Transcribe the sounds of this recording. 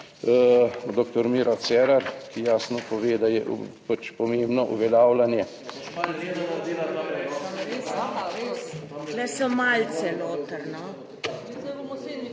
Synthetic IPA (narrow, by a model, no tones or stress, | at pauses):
d̪okt̪ɔɾmiɾʔasɛːɾaɾkijaːsnɔpɔʋeːd̪ajɛʔpat͡ʃpɔmembnɔʔṵʋɛlaːwlanjɛ | lɛsɔmalt̪sɛnoːt̪əɾnɔ